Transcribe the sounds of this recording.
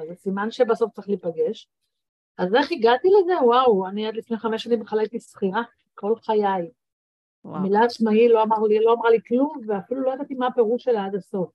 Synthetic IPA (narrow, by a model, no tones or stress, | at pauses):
azesimanʃebaso̞ft͡saʁiχliːpaɡe̞ʃ | azeχiɡat̪ileze̞wawaniad̪lifneχame̞ʃanimbeχalajt̪isχiʁa | ko̞lχajaj | amilaat͡ʃmailo̞amaʁliloamʁaliklumveafilulo̞jad̪at̪imape̞ʁuʃelead̪aso̞f